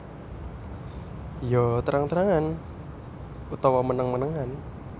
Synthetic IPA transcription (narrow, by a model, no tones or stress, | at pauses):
jɔt̪əɾʔaŋt̪əɾaŋan | ut̪ɔwamənəŋmənəŋan